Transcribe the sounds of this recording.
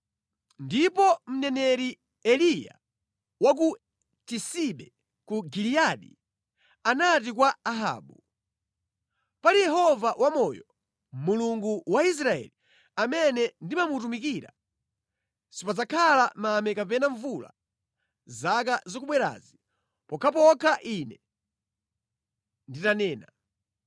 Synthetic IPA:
ndipɔm̩nɛnɛɾi | ɛlija̰ | wak̬u | tisiɓɛ | kuɡiliaɗḭ | anatik̬waːɦa̰ːɓu | palijɛɦɔvawamɔjɔ | muluŋɡuwais̬ɾaɛ̰li | amɛnɛndimamut̬umikiɾa̰ | sipazakʰalamamɛkapɛnaɱvula̰ | zak̬azɔkuɓwɛɾa̰zi | pɔkʰap̬ɔkʰaʔinɛ | nditanɛːna

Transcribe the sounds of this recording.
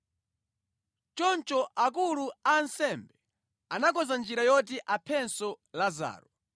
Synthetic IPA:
t͡ʃɔnt͡ʃɔʔak̬uluansɛmbɛ | anak̬ɔzand͡ʒiɾajɔt̬iʔapʰɛnsɔlaza̰ːɾɔ

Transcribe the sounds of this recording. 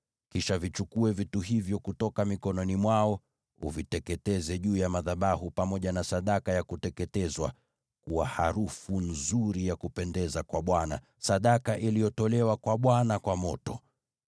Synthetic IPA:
kiʃavit͡ʃukuɛvituɦivjɔkutɔkamikɔnɔnimwaɔ | ṵvitɛkɛtɛzɛʄuːjamaðaɓaɦupamɔʄanasaɗakajakutɛkɛtɛzwa̰ | kuwahaɾufun̩zuɾijakupɛndɛzakwaɓwana̰ | saɗakaʔilijɔtɔlɛwakwaɓwanakwamɔtɔ

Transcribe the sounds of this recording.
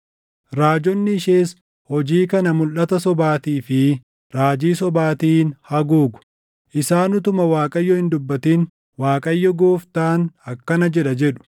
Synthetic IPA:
ɾaːd͡ʒɔnːɪɪʃeːs | hɔd͡ʒiːkɐnɐmʊlʔːɐt̪ɐsɔbaːt̪iːfɪ | ɾaːd͡ʒiːsɔbaːt̪iːnhɐɡuːɡʊ̥ | ʔɪsaːnʊt̪ʊmɐwaːkʼɐjːɔhɪnd̪ʊbːɐt̪iːn | waːkʼɐjːɔɡoːft̪aːnɐkːɐnɐd͡ʒɛᶑɐd͡ʒɛᶑʊ̥

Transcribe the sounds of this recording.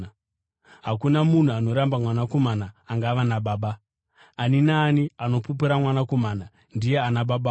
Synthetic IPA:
ɦakunamun̤uano̞ɾambamwanako̞manaːŋɡaʋanaɓaːɓaː | ninaːniano̞pup̬iɾamwanako̞mana | ndije̞anaɓaɓa

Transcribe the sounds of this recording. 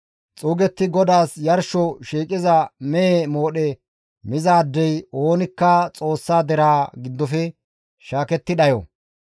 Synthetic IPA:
t͡sʼuːɡɛt̪ːɪɡɔd̪aːsjɐɾʃɔʃiːkʼɪzɐmɛemo̞ːɗɛ | mɪzaːd̪ːɛjo̞ːnɪkːɐt͡sʼo̞ːsːaːd̪ɛɾaːɡɪd̪ːɔfɛ | ʃaːkɛt̪ːɪɗɐjɔ̰

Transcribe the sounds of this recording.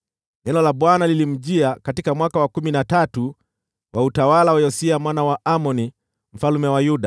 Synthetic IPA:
nɛnɔlaɓwanalilim̩ʄiakatikamwakawakuminatatu | wʔautawalawajɔsiamwanawaʔamɔni | m̩falumɛwajuɗa

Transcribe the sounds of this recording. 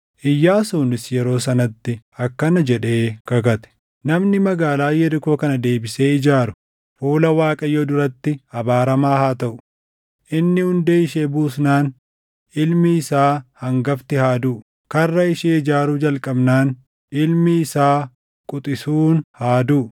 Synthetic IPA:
ʔɪjːaːsuːnɪsjɛɾo̞ːsɐnɐt̪ːɪɐkːɐnɐd͡ʒɛᶑe̞ːkɐɡɐt̪ɛ̥ | nɐmnɪmɐɡaːlaːjɛɾɪko̞ːkɐnɐd̪e̞ːbɪse̞ːɪd͡ʒaːɾʊ̥ | fuːlɐwaːkʼɐjoːd̪ʊɾɐt̪ːɪɐbaːɾɐmaːhaːt̪ɐʔʊ̥ | ʔɪnːɪhʊnd̪eːɪʃeːbuːsnaːn | ʔɪlmɪːsaːhɐŋɡɐft̪ɪhaːd̪uː | kɐrːɐɪʃeːɪd͡ʒaːɾuːd͡ʒɐlkʼɐbnaːn | ɪlmɪːsaː | kʼʊt̪ʼɪsuːnhaːd̪uː

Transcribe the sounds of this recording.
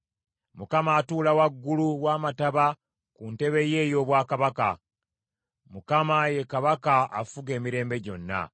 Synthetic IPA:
mukamaːtuːlawaɡːuluwaːmataβa | kunte̞βe̞je̞ːjo̞ːβwaːkaβaka̰ | mukamaje̞kaβakaa̰fuɡe̞ːmiɾe̞ːmbe̞ɟo̞̰nːa̰

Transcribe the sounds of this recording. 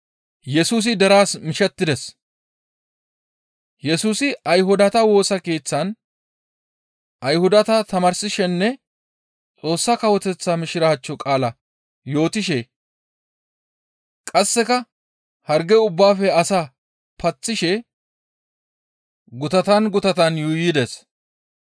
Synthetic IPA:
jɛsuːs̬ɪd̪ɛɾaːsmɪʃɛt̪ːɪd̪ɛs | jɛsuːsɪɐjɦʊd̪ɐt̪ɐwo̞ːsɐke̞ːt͡sːɐn | ʔɐjhʊd̪ɐt̪ɐt̪ɐmɐɾsɪʃɛnːɛ | t͡sʼo̞ːsːɐkɐwɔt̪ɛt͡sːamɪʃɪɾɐɐt͡ʃːɔkʼaːlɐ | jo̞ːt̪ɪʃɛ | kʼɐsːɛkɐ | hɐɾɡɛʊbːaːfɛɐsa | pɐt͡sːɪʃɛ | ɡʊt̪ɐt̪ɐnɡʊt̪ɐt̪ɐnjuːjɪd̪ɛs

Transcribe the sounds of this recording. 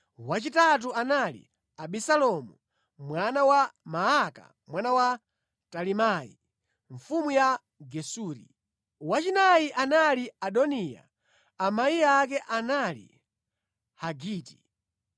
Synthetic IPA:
wat͡ʃitat̬uanalḭ | aɓisalɔmu | mwanawamaaka̰ | mwanawa | talimaḭ | ɱfumuja | ɡɛsuːɾḭ | wat͡ʃinajiʔanaliaɗɔnija̰ː | maiakɛʔanalḭ | haɡiːti̥

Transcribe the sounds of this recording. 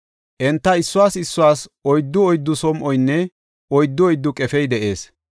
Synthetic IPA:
ʔɛnt̪ːɐɪsːʊwaːsɪsːʊwaːsɔjd̪ːʊɔjd̪ːʊsɔmʔɔjnːɛ | ɔjd̪ːʊɔjd̪ːʊkʼɛfɛjd̪ɛʔe̞ːs

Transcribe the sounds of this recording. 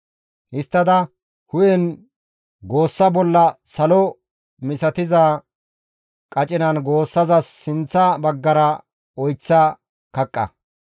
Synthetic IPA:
ʔɪst̪ːɐd̪ɐ | hʊjɛn | ɡo̞ːsːɐbɔlːɐsɐlɔ | mɪsɐt̪ɪzaː | kʼɐt͡ʃʼɪnɐnɡo̞ːsːɐzɐsːɪnt͡sːɐbɐɡːɐɾɐ | ɔjt͡sːɐ | kɐkʼːɐ̰

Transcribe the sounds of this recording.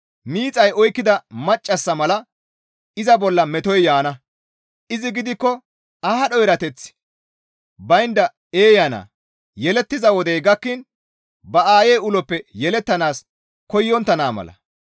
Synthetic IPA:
miːt͡sʼɐjɔjkːɪd̪ɐmɐt͡ʃʼːɐsːɐmɐlɐ | ɪzɐbɔlːɐmɛt̪ɔjjaːnɐ | ʔɪzɪɡɪd̪ɪkːɔ | ahɐɗɔjɾɐt̪ɛt͡s | bɐjnd̪ɐ | eːjana̰ː | jɛlɛt̪ːɪzɐwɔd̪ɛjɡɐkːɪn | bɐaːjejʊlɔpːɛjɛlɛt̪ːɐnaːs | kɔjːɔnt̪ːɐnaːmɐ̰lɐ̰

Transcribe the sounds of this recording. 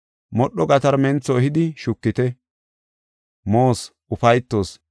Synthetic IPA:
mɔɗːɔɡɐt̪ɐɾmɛnt͡sːɔɛɦɪd̪ɪʃʊkːɪt̪ɛ | moːs | ʊfɐjt̪ːo̞ːs

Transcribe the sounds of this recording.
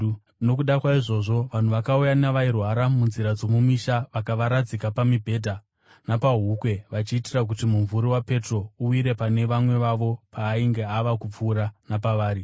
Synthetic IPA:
no̞kuɗakwaiʐo̞ʐo̞ʋan̤uʋakaujanaʋairwaɾamunziɾad͡zo̞mumiʃaʋakaʋaɾad͡zikapamibʱe̞ːdʱa | napaɦukwe̞ʋat͡ʃiːtirak̬utimuɱvuɾiwape̞tro̞uiɾe̞pane̞ʋamwe̞ʋaʋo̞pʰaːiŋɡe̞aʋakup͡fuːɾanapaʋaːɾi

